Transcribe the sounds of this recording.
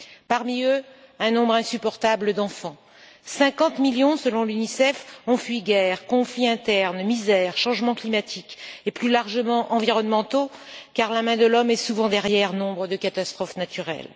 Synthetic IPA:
paʁmiøɛ̃nɔ̃bʁɛ̃sypɔʁt̪abləd̪ɑ̃fɑ̃ | sɛ̃kɑ̃t̪miljɔ̃səlɔ̃lynisɛfɔ̃fɥiɡɛʁkɔ̃fliɛ̃t̪ɛʁnmizɛʁʃɑ̃ʒmɑ̃klimat̪ʰikeplylaʁʒəmɑ̃ʔɑ̃viʁɔnmɑ̃t̪okaʁlamɛ̃d̪əlɔmɛsuvɑ̃d̪ɛʁjɛʁnɔ̃bʁəd̪əkat̪ast̪χɔfnat̪yʁɛ̰l

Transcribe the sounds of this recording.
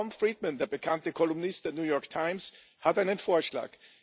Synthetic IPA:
ɔmfɹiːdmə̃ndeːɐbəkʰantəkʰɔlʊmnɪstdenjuːjɔɐktʰaɪ̃ms | hataɪnənfoːɐʃla̰ːk

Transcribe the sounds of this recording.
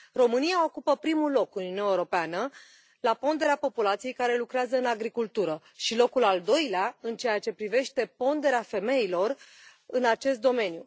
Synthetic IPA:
ro̞mɨnijao̞kupəpɾimulo̞kuniunaeuɾopeanə | lapo̞nd̪e̞ɾeapo̞pulat̪sije̞jkaɾe̞lukɾeazəɨnaɡɾikult̪uɾə | ʃilo̞kulald̪o̞jleaɨnt͡ʃe̞jat͡ʃe̞pɾive̞ʃt̪e̞po̞nd̪e̞ɾeafe̞me̞ilo̞r | ɨnat͡ʃe̞st̪̚d̪o̞me̞nju

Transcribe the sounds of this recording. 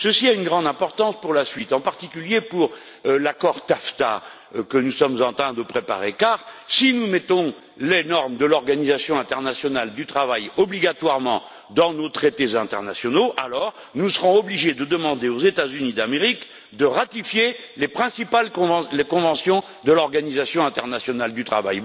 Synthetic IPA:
səsiaynɡʁɑ̃d̪ɛ̃pɔʁt̪ɑ̃spuʁlasɥit̪ɑ̃paʁt̪ikʲyljepuʁ | lakɔʁt̪aft̪a̰ | kənusɔmzɑ̃t̪χɛ̃d̪əpχepa̰ʁekaʁsinumɛt̪ɔ̃ | lenɔʁmd̪əlɔʁɡanizasjɔ̃ɛ̃t̪ɛʁnasjɔnald̪yt̪χavajɔbliɡat̪waʁmɑ̃ | d̪ɑ̃not̪χet̪ezɛ̃t̪ɛ̰ʁnasjɔnoʔalɔʁ | nusəʁɔ̃ɔbliʒed̪əd̪əmɑ̃d̪eozet̪azynid̪ameʁik | d̪əʁat̪ifjelepχɛ̃sipalkɔ̃ṽlekɔ̃vɑ̃sjɔ̃ | d̪əlɔʁɡanizasjɔ̃ɛ̃t̪ɛʁnasjɔnald̪yt̪χava̰j

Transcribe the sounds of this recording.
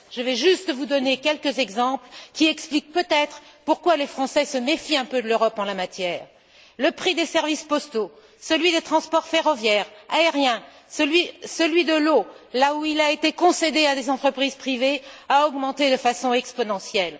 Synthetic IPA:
ʒ̥əvɛʒyst̪əvud̪ɔnekʲɛlkəzɛɡzɑ̃plkʲiɛksplik̚pøt̪ɛt̪χpuʁkwalefχɑ̃sɛsəmefiɛ̃pød̪əløʁɔpɑ̃lamat̪jɛːʁ | ləpχid̪esɛʁvispɔst̪o | səlɥid̪et̪χɑ̃spɔʁfeʁɔvjɛːʁaeʁjɛ̃ | səlɥisəlɥid̪əlolauilaet̪ekɔ̃sed̪ead̪ezɑ̃t̪χəpχizpχiveaɔɡmɑ̃t̪ed̪əfasɔ̃ɛkspɔnɑ̃sjɛl

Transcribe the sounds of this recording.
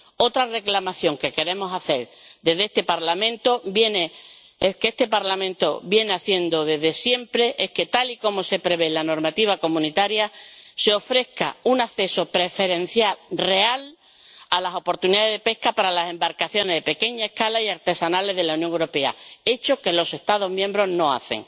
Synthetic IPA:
o̞t̪ɾare̞klamaθjo̞ŋke̞ke̞ɾe̞mo̞saθe̞ɾd̪eðest̪e̞paɾlamẽ̞nt̪o̞bje̞ne | eskeest̪e̞paɾlamẽnt̪o̞bje̞neaθje̞nd̪oðe̞ɦðe̞sje̞mpɾe̞ʔe̞hke̞t̪aliko̞mo̞se̞pɾe̞β̞e̞lano̞ɾmat̪iβ̞ako̞mũnit̪aɾjase̞o̞fɾe̞hka̰unaθe̞so̞pɾe̞fe̞ɾẽ̞n̟θjalre̞al | alaso̞po̞ɾt̪uniðaðeðe̞pe̞hkapaɾalase̞mbaɾkaθjo̞ne̞ɦðepe̞ke̞ɲaehkalaijaɾt̪e̞sanale̞ɦðelaunjõŋewɾo̞pe̞a̰e̞t͡ʃo̞ke̞lo̞se̞ht̪að̞o̞ɦmjẽ̞mbɾo̞ɦno̞a̰θe̞̰ŋ

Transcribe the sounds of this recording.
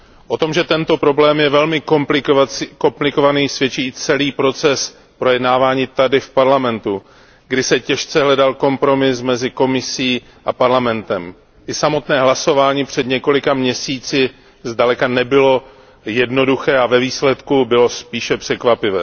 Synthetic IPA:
ʔo̞t̪o̞mʒɛt̪ɛnt̪o̞pɾo̞blɛːmjɛvɛlmɪk | ko̞mplɪko̞vaniːsvjɛt͡ʃiːt͡sɛliːpɾo̞t͡sɛs | pɾo̞jɛdnaːvaːɲiːt̪adɪfpaɾlamɛnt̪u | ɡdɪsɛcɛʃt͡sɛɦlɛdalko̞mpɾo̞mɪsmɛzɪko̞mɪsiː | ʔapaɾlamɛnt̪ɛm | ʔɪsamo̞t̪nɛːɦlaso̞vaːɲiːpr̝̥ɛd̪ɲɛko̞lɪkamɲɛsiːt͡sɪ | zdalɛkanɛbɪlo̞ | jɛdno̞duxɛːavɛviːslɛt̪kubɪlo̞spiːʃɛpr̝̥ɛkvapɪvɛ̰ː

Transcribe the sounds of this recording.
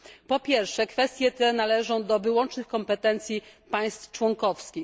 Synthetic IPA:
pɔpʲjɛɾfʂɛkfɛst̪ʲjɛt̪ɛnalɛʐɔ̃w̃d̪ɔvɘwɔnt͡ʂnɘxkɔmpɛt̪ɛnt̪sʲjipaj̃st̪ft͡ʂwɔŋkɔfskʲi

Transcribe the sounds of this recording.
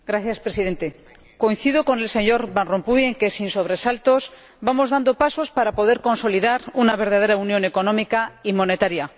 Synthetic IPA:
ɡɾaθjaspɾe̞siðe̞nt̪e | ko̞in̟θiðoko̞ne̞lse̞ɲo̞ɾβanrompuje̞ŋke̞sinso̞β̞ɾe̞salt̪o̞s | bamo̞zðand̪o̞paso̞spaɾapo̞ðe̞ɾko̞nso̞liðaɾunaβ̞e̞ɾðað̞e̞ɾaunjo̞ne̞ko̞nomikaimõ̞ne̞t̪aɾja

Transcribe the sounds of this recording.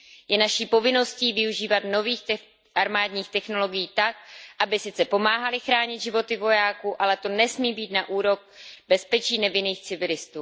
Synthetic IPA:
jɛnaʃiːpo̞vɪno̞sciːvɪuʒiːvat̪no̞viːxɛ | ʔaɾmaːdɲiːxt̪ɛxno̞lo̞ɡɪjiːt̪ak̚ʔabɪsɪt͡sɛpo̞maːɦalɪxɾaːɲɪd̪ʒɪvo̞t̪ɪvo̞jaːkuʔalɛt̪o̞nɛsmiːbiːt̪naʔuːɾo̞k̚bɛspɛt͡ʃiːnɛvɪniːxt͡sɪvɪlɪst̪uː

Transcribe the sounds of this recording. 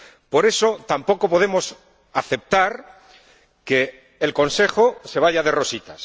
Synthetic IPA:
po̞ɾe̞so̞t̪ampo̞ko̞po̞ð̞emo̞s | aθe̞p̚t̪aɾ | ke̞ː | lko̞nse̞xose̞β̞aʎaðe̞ro̞sit̪as

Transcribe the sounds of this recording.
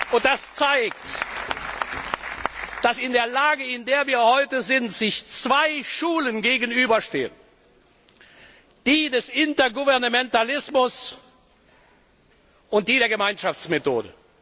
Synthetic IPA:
ʔʊnt̚d̥ast͡saɪkt | d̥asɪndeːɐlaːɡəɪndeːɐviːɐhɔʏtəzɪntz̥ɪçt͡sv̥aɪʃuːlənɡeːɡən̩yːbɐʃteːən | d̥iːdɛsʔɪntɐɡuvɛɐnamɛntalɪsmʊs | ʔʊnt̚d̥iːdeːɐɡəmaɪnʃaft͡smeto̰ːdə̰

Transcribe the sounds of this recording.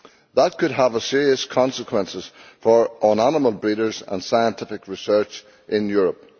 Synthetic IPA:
ðət̚kʰɨd̚əvəsɪɹiəskʰɑ̃nsəkʰw̥ɛ̃nsɪz̥fə˞ʔənɔnəməlˠbɹiɾə˞zə̰̃nd̥saɪə̃ntʰɪfɪkɹɪsɜ˞t͡ʃ | ʔɪ̃njʊɹəp̚

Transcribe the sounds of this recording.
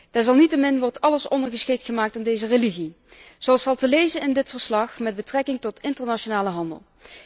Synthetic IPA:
d̥ɛɹzɑlˠnitəmɪnʋɔɹtɑləsɔ̰ndəɹɣəsxejtχəmaːk̚tandejzəreliɣi | z̥owɑlˠsfɑlˠtəlejzənɪndɪtfəɹslɑxmɛd̚bətrɛkɪŋtɔtɪntəɹnaʃonaːləɦɑndə̰lˠ

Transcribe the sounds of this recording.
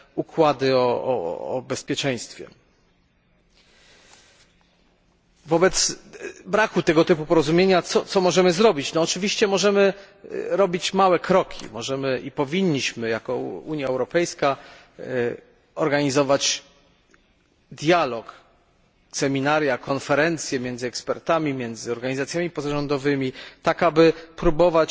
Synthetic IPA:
ukwad̪ɘɔɔ̰ːbɛspʲjɛt͡ʂɛj̃st̪fʲjɛ̰ | vɔbɛt̪sbɾakut̪ɛɡɔt̪ɘpupɔɾɔzumʲjeɲat̪sɔt̪sɔmɔʐɛmɘzɾɔbʲit͡ɕnɔːt͡ʂɘvʲiɕt͡ɕɛmɔʐɛmɘ | ɾɔbʲit͡ɕmawɛkɾɔkʲʰḭmɔʐɛmɘʔipɔvʲiɲːiɕmɘjakɔuɲjaɛwɾɔpɛjska | ɔɾɡaɲizɔvat͡ɕ | d̪ʲjalɔk | sɛmʲinaɾjakɔnfɛɾɛnt̪sʲjɛmʲjɛnzɨɛkspɛɾt̪amʲimʲjɛnd̪zɘɔɾɡaɲizat̪sʲjamʲipɔzaʐɔnd̪ɔvɘmʲit̪akabɘpɾubɔvat͡ɕ

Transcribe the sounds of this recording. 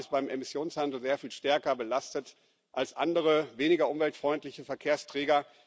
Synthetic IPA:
ɪst̚b̥aɪmʔemɪsjoːnshandl̩zeːɐfiːlʃtɛɐkɐbəlastət | ʔalsʔa̰ndəʁ̞əveːnɪɡɐʔʊmvɛltfʁ̥ɔʏntlɪçəfɛɐkʰeːɐstʁ̥ɛːɡɐ

